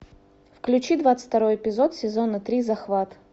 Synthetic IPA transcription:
fklʲʉt͡ɕid̪vat̪sɨ̥t̪ɐɾo̞jɪpʲɪzot̪sʲɪzonət̪ɾʲizɐxvat̪ə̥

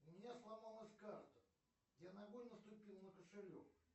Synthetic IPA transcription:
ʊmʲɪnʲaslˠamalˠəsʲkart̪ə | janaɡojʲnəst̪ʊpʲilˠnəkəʂɪɾʲo̰f

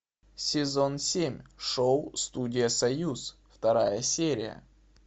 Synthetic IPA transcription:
sʲɪzo̞nsʲemʲʂowst̪udʲɪjəsɐjusft̪ɐɾajəsʲeɾʲɪjə̰

